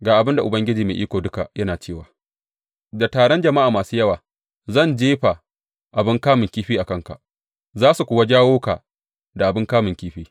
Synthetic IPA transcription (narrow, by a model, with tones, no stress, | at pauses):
ɡaː˨ʔa˨bɪ˦nda˨ʔʊ˨bɐ˦ŋɡʲɪ˦d͡ʒiː˨meː˨ʔiː˦kʷoː˨dʊ˦ka̰˨jɐ˦naː˨t͡ʃeː˦˨waː˨ | da˨taː˨ɽɔ˦nd͡ʒɐ˨ma˦ʔaː˨maː˨suː˦jɐ˦waː˨ | zɐ˦˨nd͡ʒeː˦ɸa˨ | ʔa˨bɪ˦ŋkaː˦mɪ˨ŋkʲiː˦ɸiː˦ʔa˨kɐ˦ŋka̰˨ʔ | zaː˦su˨kʷʊː˨wa˦d͡ʒaː˦woː˦ka̰ː˨ | da˨ʔa˨bɪ˦ŋkaː˦mɪ˨ŋkʲiː˦ɸiː˦